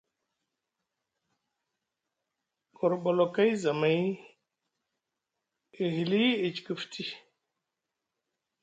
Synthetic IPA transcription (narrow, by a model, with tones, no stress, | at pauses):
kʰo˨ɾɓo˨lo˨ka˦jza˨ma˦j | i˨ɦi˨li˦i˨t͡ʃi̥˨kə˨ftʰi˦